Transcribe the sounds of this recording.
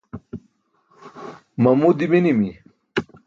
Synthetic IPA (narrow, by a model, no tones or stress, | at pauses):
mɐmud̪iminimi